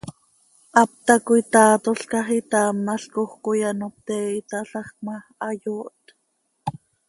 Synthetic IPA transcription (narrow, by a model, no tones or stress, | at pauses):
ʔɑp̚t̪ɑkoit̪ɑːt̪oɬkɑχit̪ɑːmnɑɬkoχkojanop̚t̪ɛːit̪ɑɬɑχmɑ | ɑjoːʔt̪